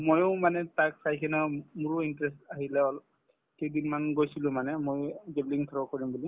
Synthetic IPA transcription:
mojʊ̃manɛtak̚sajkʰɛnamʊɹʊintɹɛstaɦilɛɔl | kedinmanɡojsilʊ̃manɛmojɡebliŋtʰɔɹɔkoɹimbuli

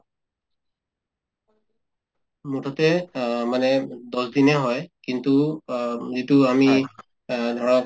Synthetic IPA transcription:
mutʰɔtɛmanɛdɔsdinɛɦɔjkintu | zituami | dʱɔɹa

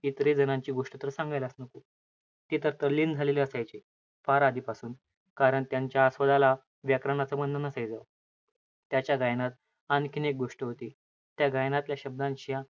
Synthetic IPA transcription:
it̪ɾed͡zənãɲt͡ɕiːɡoʂʈət̪əɾsãŋɡajlasnəku | t̪iːt̪əɾt̪əlːiːnd͡zʱaleliəsajt͡ɕe | faɾad̪ʱiːpasuːn | kaɾəɳt̪jaɲt͡ɕjaːsʋəd̪ala | ʋjakɾaɳat͡səmənd̪ənasəjd͡za | t̪jat͡ɕjaɡajnat̪̚ | ankʰinek̚ɡoʂʈəɦot̪iː | t̪jaɡajnat̪ljaɕəb̚d̪ãnɕijã

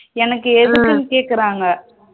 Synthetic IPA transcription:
ɛnɐkːɯɛðɯkːɯnkeːʈ̚kɪɾaːŋɡɐ

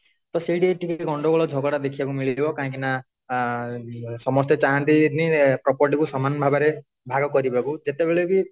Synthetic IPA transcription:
t̪ɔsiɽieʈikeɡɔɳɖɔɡɔɭɔd͡ʒʱɔɡɔɽad̪ekʰibakumiɭibɔkaɦkina | sɔmɔst̪et͡ʃaɦant̪inipɾɔpɔɾʈ̬ikusɔmanɔbʱabaɾe | bʱaɡɔkɔɾibakud͡ʒet̪ebeɭebi

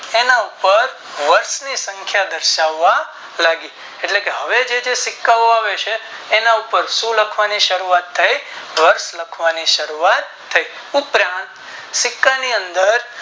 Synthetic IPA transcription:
enaupəɾ | ʋəɾsnisə̃ŋkʰjad̪əɾʃaʋːa | laɡi | eʈlekeɦəʋed͡ʒed͡ʒesɪkːaoaʋet͡ʃʰeːnaupəɾsũləkʰʋaniʃəɾuat̪ʰːaiʋəɾsləkʰʋaniʃəɾuat̪ʰːəi | upɾãnt̪ | sɪkːaniənd̪əɾ

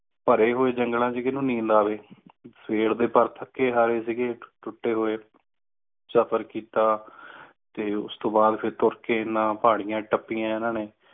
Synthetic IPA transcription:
pəɾeːɦoːeːd͡ʒəŋɡlãːt͡ʃiɡeːnũːnĩːnd̪aːʋeːpʰeːɽd̪eːpəɾt̪ʰəkːeːɦaːɾeːsiːɡeːʈʊʈːeːɦoːeː | səpʰəɾkiːt̪aː | t̪eːʊ̰st̪õːbaːd̪pʰɪɾt̪ʊɾkeːɪnːãːpaːɽ̃ijãːʈəpːiːãːɪnãːneː

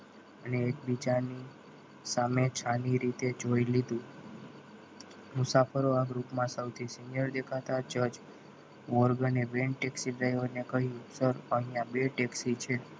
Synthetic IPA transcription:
əneːk̚bid͡ʒani | samet͡ʃʰaniɾit̪ed͡ʒoilid̪ũ | mʊsafəɾoaɡɾupmãsəwt̪ʰisinijəɾd̪ekʰat̪at͡ʃəd͡ʒ | ʋɔɾɡəneʋenʈeksiɖɾajʋoɾnekəɦijũsəɾəɦĩjãbeʈeksit͡ʃʰe

